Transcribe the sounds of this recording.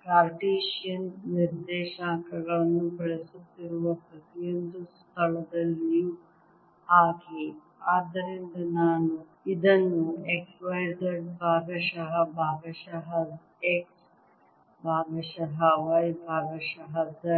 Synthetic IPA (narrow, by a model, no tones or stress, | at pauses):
kɾaːɾʈiːʃijɐnniɾd̪ɛːʃaːkɐɡɐɭɐnːupɐɭesut̪ːiɾuʋɐpɾɐt̪ijond̪ust̪ʰɐɭɐd̪ɐlːiju | aːki | aːd̪ːɐɾind̪ɐnaːnu | id̪ɐnːueksʋɐjɾdɐɖbʱaːɡɐʃɐɦɐbʱaːɡɐʃɐɦɐ | eks | bʱaːʋɐʃɐɦɐʋɐjbʱaːɡɐʃɐɦɐd̪ɐ